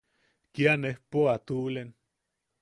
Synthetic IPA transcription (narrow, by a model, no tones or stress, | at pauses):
kianehpoat̪ulen